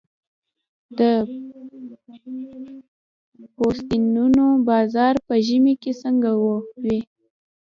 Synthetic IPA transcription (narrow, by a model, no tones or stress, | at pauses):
d̪ə | post̪inunobɑzɑɾpəʒəmikesəŋɡawowi